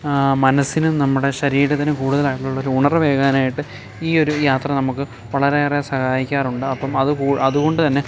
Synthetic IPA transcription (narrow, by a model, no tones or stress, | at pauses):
mɐnɐsːinunɐmːuɽe̞ɕɐɾiːɾɐt̪ːinɨkuːɽuðɐlaːjiʈiluɭːɐoɾuːɳɐrɨʋe̞ːɣɐːnaːjiʈːɨ | iːo̞ɾujaːt̪rɐnɐmukːɨ | ʋɐɭɐɾeresɐhaːjikʲːaːruɳɖɨɐpːɐmɐðɨkuːʔɐðuɣo̞ɳɖɨt̪ɐnːe̞